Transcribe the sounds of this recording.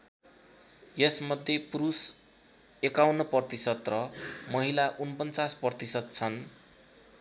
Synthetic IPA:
jesmʌd̪ʱjepuɾus | ekawnʌpʌrt̪isʌt̪rʌmʌɦilaʔunpʌnt͡saspʌrt̪isʌt̪̚t͡sʰʌn

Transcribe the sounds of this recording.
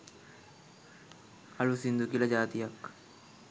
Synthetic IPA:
ɐɭusind̪ukilɐd͡ʒaːt̪ijɐk

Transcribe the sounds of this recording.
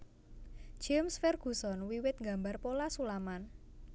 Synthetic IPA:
d͡ʒ̥emsfɛrɡ̥ṳsɔnwiwɪt̪̚ŋɡambarpolasulaman

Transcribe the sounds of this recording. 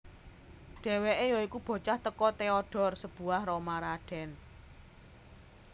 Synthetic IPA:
ɖ̥e̤weʔejɔikub̥ɔ̤t͡ʃaht̪əkɔt̪eɔɖ̥ɔ̤rsəb̥ṳahromaɾaɖ̥ɛ̤n

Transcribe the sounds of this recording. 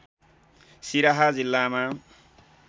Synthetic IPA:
siɾaɦad͡zilːama

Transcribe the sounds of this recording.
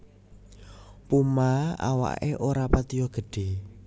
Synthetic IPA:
pumaa̰wa̰ʔḛʔoɾapat̪ijɔɡ̥ə̤ɖ̥e̤

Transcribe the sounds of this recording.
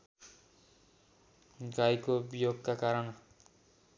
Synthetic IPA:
ɡajkobijoɡkakaɾʌn

